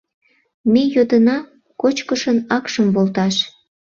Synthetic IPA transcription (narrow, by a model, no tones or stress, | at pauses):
mejod̪ənɑ | kot͡ɕkəʃənɑkʃəmβolt̪ɑʃ